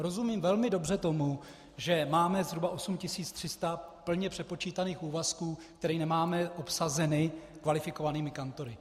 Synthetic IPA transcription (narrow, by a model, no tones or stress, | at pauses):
ɾo̞zumiːmvɛlmɪdo̞br̝ɛt̪o̞mu | ʒɛmaːmɛzɦɾubaʔo̞sumcɪsiːt͡st̪r̥ɪst̪apl̩ɲɛpr̝̥ɛt̪̚po̞t͡ʃiːt̪aniːxuːvaskuːkt̪ɛɾiːnɛmaːmɛʔo̞psazɛnɪkvalɪfɪko̞vaniːmɪkant̪o̞ɾɪ